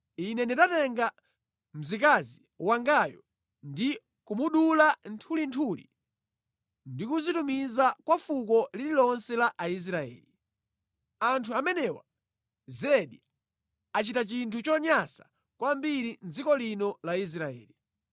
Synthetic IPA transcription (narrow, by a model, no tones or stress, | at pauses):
inɛndidatɛŋɡa | m̩zikazi | waŋɡajɔ | ndi | kumuɗulantʰulintʰulḭ | ndikuzitumizakwafukɔlililɔnsɛlaʔːis̬ɾaɛ̰ːli | antʰuamɛnɛwa̰ | zɛɗi | at͡ʃitat͡ʃintʰut͡ʃɔɲasḁ | kwambiɾind͡zikɔlinɔlais̬ɾaɛ̰ːli